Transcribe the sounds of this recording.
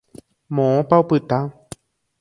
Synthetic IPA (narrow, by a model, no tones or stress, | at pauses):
mõõpaopɨt̪a